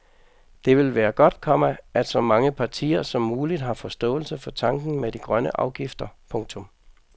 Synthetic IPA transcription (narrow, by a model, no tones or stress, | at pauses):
d̥e̝ʋe̝lʋæːɐɡ̥ɒ̽d̥kʰɒ̽məæd̥sɒ̽mɑ̈ŋəpʰɑ̈t͡sʰḭːɐsɒ̽mːuːlid̥ɦɑ̈fɒ̽sd̥ɔ̰ːl̩səfɒ̽t͡sʰɑ̈ŋɡ̥n̩med̥iɡ̥ʁɶnəʔɑ̈ʊɡ̥ifd̥ɐpʰɔ̽ŋt͡sʰɔ̽m